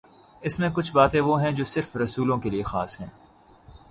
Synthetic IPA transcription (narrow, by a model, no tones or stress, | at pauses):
ɪsmẽkʊt͡ʃʰbaːt̪ẽʋoɦɛ̃d͡ʒoːsɪɾfɾɐsuːlõkeliexa̰ːsɦɛ̰̃ː